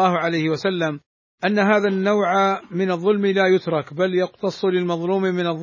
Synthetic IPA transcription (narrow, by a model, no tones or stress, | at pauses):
ɑːhʊʕalajhɪwasalːam | ʔanːaɦaːðanːawʕamɪnɑðˤːʊlmlaːjʊt̪ɾˤɑkbaljɑqt̪ɑsˤːlɪlmɑðˤluːmmɪnɑðˤː